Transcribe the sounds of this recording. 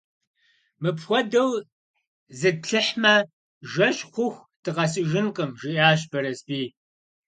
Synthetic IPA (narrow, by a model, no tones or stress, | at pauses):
mɨpxʷɔdɐw | zɨpɬɨħmɐ | ʒɐɕʼχʷʊxʷ | tʰɨʁɐsʼɨʒɨnqʼəmʒɪʔaːʃbɐɾɐsbiː